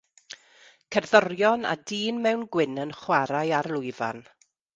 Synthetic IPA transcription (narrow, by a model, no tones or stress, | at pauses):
kʰɛrðɔrjɔna̰diːnmɛwnɡwɪnənχwaɾajaɾlˠʊɨva̰n